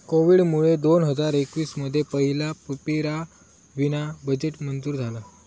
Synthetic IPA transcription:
koʋiːɽmuɭed̪onɦəd͡zaɾekʋiːsməd̪ʱːjepəɦilapəpiɾa | ʋinabəd͡ʑeʈmənd͡zuːɾd͡zʱala

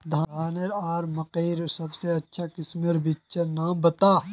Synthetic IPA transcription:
d̪ʱaaːneɾaːɾmɐqeːɾsɐbseɐtːʃʰakɪsmeɾbit͡ʃenaːmbɐt̪aː

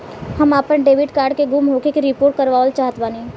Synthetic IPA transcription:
hɐmaːpənɖeːʋɪɖkaːɾɖkeɡumɦoːkekiɾɪpoːɾʈ̚kɐɾʋaːolt͡ʃaːɦət̪ʋaːni

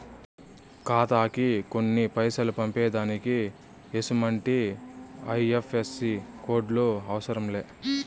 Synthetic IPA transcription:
kaːt̪aːkiko̞nːipɐjsɐlupɐmpɛːd̪aːniki | esumɐɳʈi | ɐjefʰesːiko̞ːɖloːɐʋɐsɐɾɐmleː

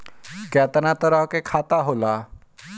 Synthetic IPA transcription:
kɛːt̪ənat̪əɾəɦkekʰaːt̪aɦoːlaː

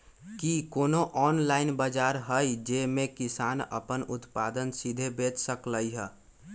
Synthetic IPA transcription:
kikoːnoʔɔːnlaːɪnbəd͡ʒaːɾɦəjd͡ʒemẽkɪsaːnə̰pənʊt̪paːd̪ənsid̪ʱebeːt͡ʃsəkləiɦɛ

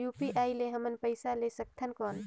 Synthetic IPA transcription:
juːpiʔaːileɦəmənpəɪsalesək̚t̪ʰənkɔːn

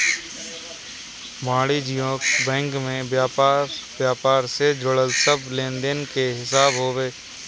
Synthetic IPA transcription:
maːɽid͡ʒijõːbɛ̃ːŋkmẽja | bjaːpaːɾsed͡ʒʊɽəlsəblẽːnd̪enkeɦɪsaːbɦoːʋeː

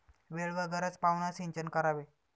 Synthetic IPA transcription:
ʋeɭʋəɡəɾət͡spaʋnasiɲt͡ɕənkəɾaʋe

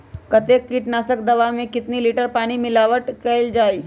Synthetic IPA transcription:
kət̪ekːiːʈnasək̚d̪əʋamẽkit̪niːliʈəɾpaɽ̃iːmilaʋəʈkeld͡ʒai

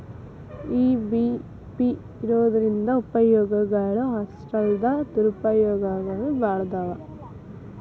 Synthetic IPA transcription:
iːbi | piː | ɾoːɐðɐɾind̪ɐupɐjoːɡɐɡaːɭuɦɐsʈɐld̪ɐt̪uɾupɐjɔːɡaːɡɐɭɯbaːɽɐd̪aːʋɐ

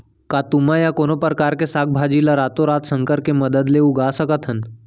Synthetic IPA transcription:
kat̪um̤ajakonopɾəkaɾkesak̚bʱad͡ʑilaɾat̪oɾat̪səŋkəɾkeməd̪əd̪leuɡasəkət̪ʰən

